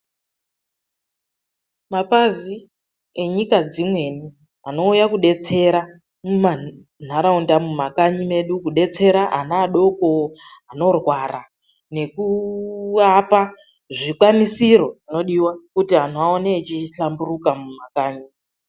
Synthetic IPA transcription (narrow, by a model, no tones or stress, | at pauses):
mapazi | e̞ɲikad͡zimwe̞ni | ano̞ujakuɗe̞t͡se̞ɾa | muma | n̤aɾaundamumakaɲime̞ɗukuɗe̞t͡se̞ɾaʔanaːɗo̞ko̞ano̞rwara | ne̞ku | apa | ʐikwanisiɾo̞ʐino̞ɗiwakutiɦan̤uaoneːt͡ʃiɬamburukamumakaːɲi